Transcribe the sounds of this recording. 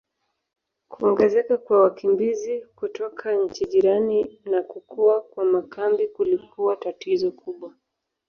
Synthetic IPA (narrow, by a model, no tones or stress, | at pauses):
kuɔŋɡɛzɛkakwawakimbizikutɔkʰaɲ̩t͡ʃiʄiɾaninakukuakwamakambikulikuatatizɔkʰuɓwa